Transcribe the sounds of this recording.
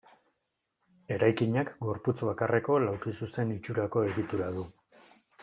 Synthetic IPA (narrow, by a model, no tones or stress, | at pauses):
e̞ɾajkiɲakɡo̞ɾput͡sβakare̞ko̞lawkisuse̞nit͡ʃuɾako̞e̞ɣit̪uɾaðu